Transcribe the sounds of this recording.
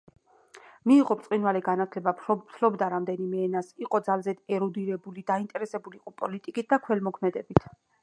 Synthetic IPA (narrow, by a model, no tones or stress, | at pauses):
miːʁɔpɾt̪sʼqʼinvalɛɡanat̪ʰlɛbat̪ʰlɔbd̪aɾamd̪ɛnimɛːnasiqʼɔd̪zalzɛd̪ɛɾɔd̪iɾɛbulid̪aint̪ʼɛɾɛsɛbuliːqʼɔpʼɔlit̪ʼikʼit̪̚d̪akʰwɛlmɔkʰmɛd̪ɛbit̪ʰ